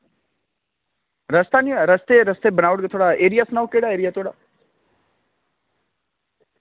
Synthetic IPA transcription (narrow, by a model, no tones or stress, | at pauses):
ɾəst̪aniəɾəst̪eɾəst̪ebənaʋɽɡət̪ʰoɽaeɾijasnaʋukeɽaeːɾijat̪ʰoɽa̰